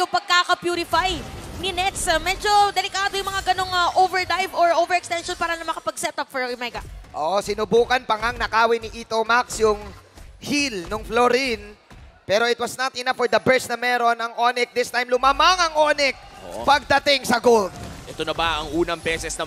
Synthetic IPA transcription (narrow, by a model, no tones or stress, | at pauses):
jʊŋpɐɡ̚kakɐpjuːɾɪfajnɪnɛt̪sɐmɛd͡ʒo̞d̪ɛlɪkaːd̪ojʊŋmɐŋaɡɐno̞ŋɐʔovɛɹd̪ajvoɹʔovɛɹɛkst̪ɛnʃonpaːɾɐnɐmɐkɐpɐɡ̚sɛt̪ɐpfɔɹmɛɡɐʔoːʔosɪnʊbuːkɐnpɐŋaŋnɐkaːwɪnɪʔiːt̪omaksjʊŋhilnʊŋfloɾin | pɛːɾo̞ʔɪt̪wɐsnɐt̪̚ʔɪnafɔɹd̪ɐbɛɹsnɐmɛːɾo̞nɐŋʔonɛk̚d̪ɪst̪ajmlʊmaːmɐŋɐŋʔoːnɛk̚pɐɡ̚d̪ɐt̪ɪŋsɐɡold̪̚ʔɛt̪onɐbɐɐŋuːnɐŋbɛsɛsnɐ